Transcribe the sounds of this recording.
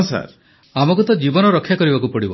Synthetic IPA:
sa̰ɾ | amɔkut̪ɔd͡ʒibɔnɔɾɔkʰːjakɔɾibakupɔɽibɔ̰

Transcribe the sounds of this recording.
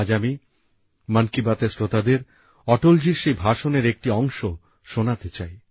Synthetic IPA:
d͡ʑami | mankibat̪esɾot̪ad̪eɾ | ɔʈold͡ʑiɾʃejbʱaʃoneɾek̚ʈiɔŋʃo | ʃonat̪et͡ɕaj

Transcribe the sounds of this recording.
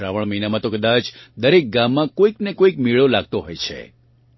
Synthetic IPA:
ɾaʋəɭ̃məɦinamãt̪okəd̪at͡ʃd̪əɾek̚ɡamːãkoiknekoikmiɭolaɡ̚t̪oɦojt͡ʃʰḛ

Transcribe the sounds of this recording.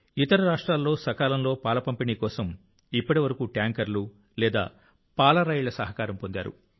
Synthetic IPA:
it̪ɐɾɐɾaːʂʈɾaːlːo̞ːsɐkaːlɐmlo̞ːpaːlɐpɐmpiniːkɔːsɐm | ipːɐʈiʋɐɾɐkuʈjaːŋkɐɾlu | lɛːd̪a̰ː | paːlɐɾɐjɭɐsɐɦɐkaːɾɐmpo̞nd̪a̰ːɾṵ

